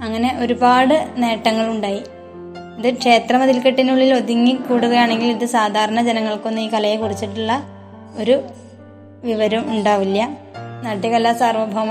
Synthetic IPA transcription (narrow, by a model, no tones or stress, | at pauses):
ɐŋːɐne̞ʔoɾubaːɽɨne̞ːʈːɐŋːɐɭuɳɖaːji | iðɨkʂe̞ːt̪rɐmɐðilkeʈːinuɭːilo̞ðiŋːikuːɽuɣɐjaːɳe̞ŋɡiliðɨsaːd̪ʱaːɾɐɳɐd͡ʑenɐŋːɐɭko̞nːɨiːkɐlɐjekurit͡ɕːiʈːuɭːɐ | o̞ɾu | ʋiʋɐɾɐmuɳɖaːʋilːɐ | nɐʈjɐkɐlːaːsaːrʋɐbʱɐʋɐm